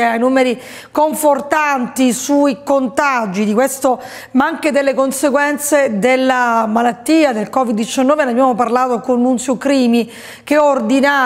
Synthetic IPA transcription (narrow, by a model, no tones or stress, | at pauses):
eajnuːmeɾi | koɱfort̪ant̪isuikont̪ad͡ʒid̪ikwest̪o | maaŋked̪elːekonseɡwɛnt̪sed̪elːamalat̪ːiːad̪elkɔvid̪ːit͡ʃanːɔːveneabjamoparlaːt̪okonːunsjokɾiːmi | keord̪ina